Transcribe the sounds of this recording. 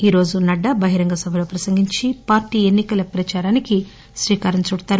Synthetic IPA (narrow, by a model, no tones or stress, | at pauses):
iːɾo̞ːd͡ʒunɐɖːɐbɐɦiɾɐŋɡɐsɐbʱɐlo̞ːpɾɐsɐŋɡiɲt͡ʃipaːɾʈiːe̞nːikɐlɐpɾɐt͡ʃaːɾaːniki | sʋiːkaːɾɐɲt͡ʃuɽt̪aːɾu